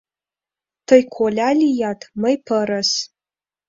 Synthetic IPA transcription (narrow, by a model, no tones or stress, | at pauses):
tʰɐjkʷʰolʲalʲijatʰmɐjpʰəɾas